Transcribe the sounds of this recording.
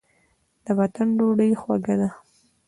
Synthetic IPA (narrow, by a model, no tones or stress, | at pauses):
d̪̥əwat̪anɖoɽəjxwaɡad̪a